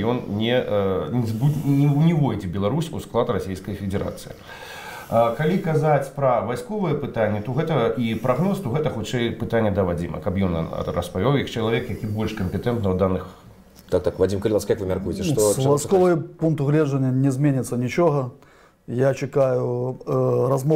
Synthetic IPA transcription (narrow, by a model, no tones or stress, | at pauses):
jɔnnʲɛ | zbunʲwnʲɛvɔjd͡zʲɛbʲɛlˠaɾusʲusklˠat̪rasʲejskɐjfʲɪd͡zʲɛɾa̰t̪sɨjḭ | kalʲikazat͡sʲpɾɐvajskɔvɨjɛpɨt̪anʲːɛt̪ɔɣɛt̪ɐipɾaɣnɔst̪ɔɣɛt̪ɐxut͡ʂɛjpɨt̪anʲːɛd̪ɐvad͡zʲimɐ̰kɐpjɔnrɐ̰spavʲawjɐkt͡ʂɐlˠavʲɛkjakʲibɔlʲʂkɐmʲpʲɛt̪ɛnt̪nɐwd̪anɨx | t̪akt̪akvadʲimkɐlʲɪlaskjakvɨmʲarkujɪtʲɛʂt̪ovajskovɨjpunk̚t̪ʊɣlʲeʐənʲːənʲɪzʲmʲenʲɪt̪sənʲɪt͡ʃoɣə | jat͡ʃɪkajʊ | ɾɐzmo